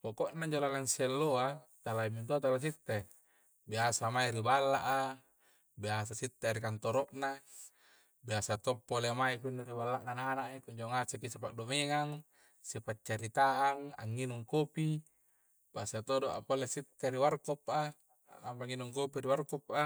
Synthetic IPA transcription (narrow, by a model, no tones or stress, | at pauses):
pokoʔnaiɲd͡ʒolalansielːoat̪alaimint̪uat̪alas̬it̪ːe | biasamaiɾibalːaʔa | biasasit̪ːeaɾikant̪oɾoʔna | biasat̪opːolemaikunːuɾibalːaʔnananaʔikuɲd͡ʒoŋasekisipaʔdomeŋaŋ | sipat͡ʃːaɾit̪aaŋa̰ŋːinuŋkopi | b̥asat̪odoʔa̰polesit̪ːeɾiwarkɔpa | ampaŋinuŋkopiɾiwarkɔp̚a